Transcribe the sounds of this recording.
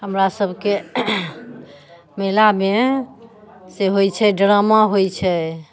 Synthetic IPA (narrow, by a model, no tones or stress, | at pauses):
ɦəmɾasəbʱke | melame | seɦojt͡ʃʰɛɖɾamaɦojt͡ʃʰɛ